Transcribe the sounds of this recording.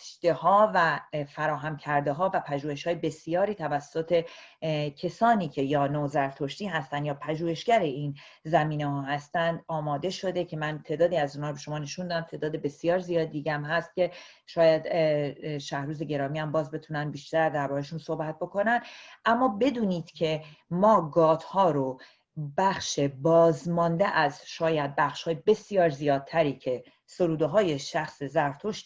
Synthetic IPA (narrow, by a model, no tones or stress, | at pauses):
d̪ehɒːvæfæɾɒːɦæmcʰæɾd̪e̞ɦɒːvæpʰæʒuːhe̞ʃhɒːjebe̞sijɒːɾiːt̪ʰævæsːot̪ʰe̞ | cʰe̞sɒːniːcʰe̞jɒːnoːzæɾt̪ʰoʃt̪iːɦæst̪ænd̪jɒːpʰæʒuːhe̞ʃɡæɾe̞iːn | zæmiːnehɒːɦæst̪ænd̪ɒːmɒːd̪e̞ʃo̞d̪e̞cʰe̞mænt̪ʰe̞ːd̪ɒːd̪iːæzuːnhɒːɾobeʃo̞mɒːne̞ʃund̪ɒd̪æmt̪ʰe̞ːd̪ɒːd̪ebe̞sijɒːɾzijɒːd̪id̪iːɟæmhæst̪̚cʲe̞ | ʃɒːjæd̪ | ʃæhɾuːze̞ɟe̞ɾɒːmiːæmbɒːzbe̞t̪ʰunænbiːʃt̪æɾd̪æɾbɒːɾeʃunso̞hbæt̪̚bo̞ko̞nænd̪ʔæmːɒːbe̞d̪uːniːd̪̥cʰe̞mɒːɡɒːt̪hɒːɾo | bæxʃe̞bɒːzmɒnd̪eʔæzʃɒːjæd̪̚bæxʃhɒːjebe̞sijɒːɾzijɒːd̪̚t̪ʰæɾiːcʰe̞ | so̞ɾuːd̪oɦɒːje̞ʃæxsezæɾft̪ʰoʃ